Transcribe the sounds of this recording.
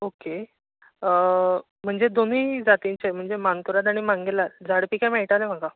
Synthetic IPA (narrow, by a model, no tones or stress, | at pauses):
oke | m̤əɳd͡zed̪onid͡zat̪iɲt͡ɕem̤əɳd͡zemant̪uɾat̪aɽ̃imãŋɡelad͡zʱaɽpikameɭʈalem̤aka